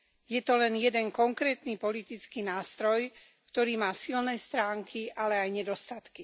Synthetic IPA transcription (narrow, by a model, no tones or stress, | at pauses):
jɛt̪ɔlɛnjɛd̪ɛŋkɔŋkɾɛːt̪nipɔlit̪it͡skiːnaːst̪ɾɔj | kt̪ɔɾiːmaːsilnɛst̪ɾaːŋkʰiʔalɛajɲɛd̪ɔst̪at̪ki